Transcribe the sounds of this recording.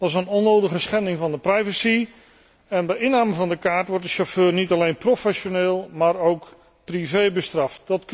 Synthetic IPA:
d̥ɑsənɔnowdəχəsχɛndɪŋvɑndəprɛjvəsi | ɛnbɛjɪnaːməvɑndəkaːɹtʋɔɹtdəʃoføːrnitɑlejnprofɛʃoneːlˠmaːɾowk | privejbəstrɑftdɑtk

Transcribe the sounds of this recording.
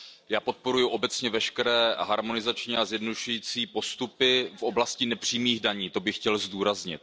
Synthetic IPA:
jaːpo̞t̪̚po̞ɾujuʔo̞bɛt͡sɲɛvɛʃkɛɾɛːɦaɾmo̞nɪzat͡ʃɲiazjɛdnoduʃujiːt͡siːpo̞st̪upɪfʔo̞blascɪnɛpr̝̥iːmiːɣdaɲiːt̪o̞bɪxcɛlzduːɾazɲɪ̰t̪̚

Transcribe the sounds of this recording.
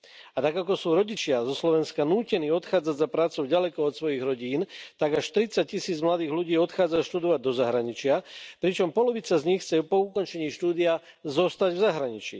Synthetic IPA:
at̪aɡakɔsuːɾɔɟit͡ʃɪazɔslɔʋɛnskanuːcɛniːɔt̪xaːd͡zaɟzapɾaːt͡sɔʊɟalɛkɔɔt̪sʋɔjiɣɾɔɟiːnt̪aɡaʃt̪ɾit͡sac̚ːisiːd͡zmlad̪iːɣluɟiːɔt̪xaːd͡zaʃt̪ud̪ɔʋaɟ̚d̪ɔzaɦɾaɲit͡ʃɪapɾit͡ʃɔmpɔlɔʋit͡sazɲixt͡sɛpɔukɔnt͡ʃɛɲiːʃt̪uːd̪ia | zɔst̪aɟvzaɦɾaɲit͡ʃḭ

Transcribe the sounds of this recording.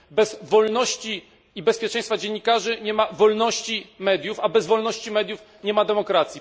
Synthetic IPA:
bɛzvɔlnɔɕt͡ɕi | ibɛspʲjɛt͡ʂɛ̃j̃st̪fad͡ʑeɲːikaʐɘɲɛmavɔlnɔɕt͡ɕimɛd̪ʲjufabɛzvɔlnɔɕt͡ɕimɛd̪juf | ɲɛmad̪ɛmɔkɾat̪sʲji

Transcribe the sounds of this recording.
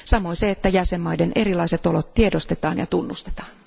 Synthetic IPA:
sɑmoiseet̪ːæjæsemːɑidenʔerilɑiset̪olot̪tiedost̪et̪ɑːnjɑ̰t̪unːust̪e̥t̪ɑ̥ːn

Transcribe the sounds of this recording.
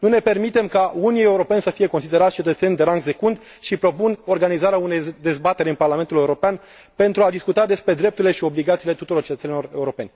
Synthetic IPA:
nune̞pe̞rmit̪e̞mkaunie̞uɾo̞pe̞nsəfije̞ko̞ns̬id̪e̞ɾat̪ʲt͡ʃet̪ət̪se̞nʲd̪e̞ɾaŋɡse̞kund̪ | ʃipɾo̞puno̞rɡanizaɾeaune̞jd̪e̞zbat̪e̞ɾʲɨnparlament̪ule̞uɾo̞pean | pe̞nt̪ɾuad̪iskut̪ad̪e̞spɾe̞d̪ɾe̞p̚t̪uɾile̞ʃio̞bliɡat̪silet̪ut̪uɾo̞rt͡ʃet̪ət̪senilo̞re̞uɾo̞pe̞nʲ

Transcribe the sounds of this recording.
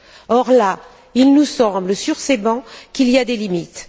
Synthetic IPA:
ɔʁla | ilnusɑ̃bləsyʁsebɑ̃kiliad̪elimit̪

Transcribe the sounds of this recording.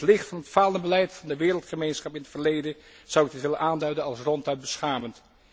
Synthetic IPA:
tlɪχtfɑnətfaːlˠənəbəlɛjtfɑndəʋɪːɾəlˠtχəmejnsχɑpɪnətfəɹlejdə | z̥ʌwɪɡ̚dɪtʋɪlənʔaːndœɥdənɑlˠsrɔntœɥt̚bəsχaːmənt

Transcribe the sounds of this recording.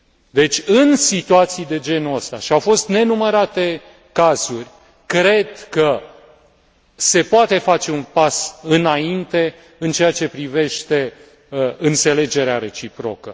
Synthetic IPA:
d̪e̞t͡ʃʲɨnsit̪uat̪sijd̪e̞d͡ʒe̞nuəst̪a̰ʃiawfo̞st̪ne̞numəɾat̪e̞ | kazurʲ | kɾe̞d̪kə | se̞poat̪e̞fat͡ʃe̞unpasɨnaint̪e̞ | ɨnt͡ʃeat͡ʃe̞pɾive̞ʃt̪e̞ | ɨnt̪se̞le̞d͡ʒe̞ɾeaɾe̞t͡ʃipɾo̞kə

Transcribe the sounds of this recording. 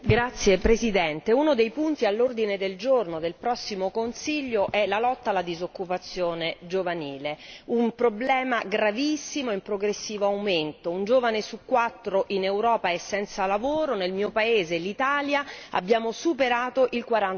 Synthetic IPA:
ɡɾat̪sːjepɾezid̪ɛnt̪eunod̪ejpunt̪ialːord̪ined̪eld͡ʒornod̪elpɾɔsːimokonsiʎːoʔɛlalɔt̪ːalːad̪izokːupat̪sːjoːned͡ʒovaniːleumpɾoblɛːmaɡɾavisːimoimpɾoɡɾesːiːvoawment̪ound͡ʒoːvanesukːwat̪ːɾoʔinewɾɔːpaesːɛnt̪salavoːɾonelmiːopaeːzelit̪aːljaa̰bːjaːmosupeɾaːt̪oʔilkwaɾan

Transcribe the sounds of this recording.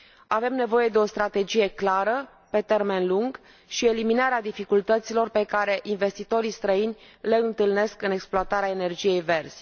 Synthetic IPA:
ave̞mne̞vo̞je̞d̪e̞o̞st̪ɾat̪e̞d͡ʒije̞klaɾə | pe̞t̪e̞rme̞nluŋɡ | ʃie̞liminaɾead̪ifikult̪ət̪silo̞rpe̞kaɾe̞ʔinve̞st̪it̪o̞ɾist̪ɾəinʲ | le̞ɨnt̪ɨlne̞skɨne̞ksploat̪aɾeaene̞rd͡ʒije̞jve̞rz̥ʲ

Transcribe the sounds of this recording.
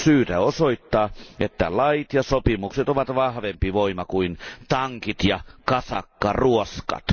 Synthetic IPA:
syːt̪æosoit̪ːɑːet̪ːæ̰lɑit̪jɑsopimukset̪oʋɑt̪ʋɑhʋempiʋoimɑkuint̪ɑŋkit̪jɑkɑsɑ̰kːɑruoskɑ̰t̪

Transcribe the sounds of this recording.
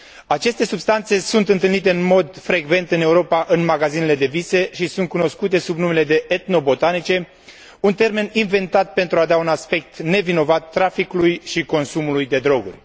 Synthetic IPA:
at͡ʃe̞st̪e̞subst̪ant̪se̞sunt̪ɨnt̪ɨlnit̪e̞ɨnmo̞d̪fɾe̞ɡve̞nt̪ɨne̞uɾo̞paʔɨnmaɡazine̞le̞d̪e̞vise̞ʃisunt̪̚kuno̞skut̪e̞subnume̞le̞d̪e̞ʔet̪no̞bo̞t̪anit͡ʃe̞ | unt̪e̞rme̞ninve̞nt̪at̪̚pe̞nt̪ɾuad̪aunaspe̞k̚t̪ne̞vino̞vat̪ːɾafikulujʃiko̞nsumulujd̪e̞d̪ɾo̞ɡṵrʲ

